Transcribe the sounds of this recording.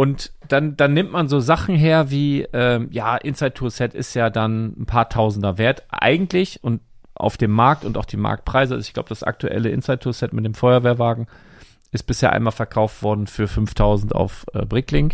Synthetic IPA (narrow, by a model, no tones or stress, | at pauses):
ʔʊntd̥and̥anːɪmtmanzoːzaχn̩ɦeːɐviːʔɛːmjaːʔɪnsaɪt̚tʰuːsɛtɪ̰stjaːdannpʰaːɐtʰaʊzn̩dɐveːɐtʔa̰ɪɡŋ̩tʰlɪçʊntʔa̰ʊfd̥eːmːaɐk̚tʊntaʊxd̥iːma̰ɐk̚t̚pʁ̥aɪzəa̰zɪçɡ̥la̰ʊbəd̥asʔa̰k̚tʰuʔɛ̰ləʔɪ̰nsaɪt̚tʰuːsɛtmɪt̚d̥eːmfɔʏɐveːɐvaːɡŋ̩ | ʔɪst̚b̥ɪsheːɐʔa̰ɪnmaːlfɛɐkʰaʊftv̥ɔɐdn̩fyːɐfʏnftʰaʊzn̩ta̰ʊfʔɛ̰ːbʁɪklɪŋ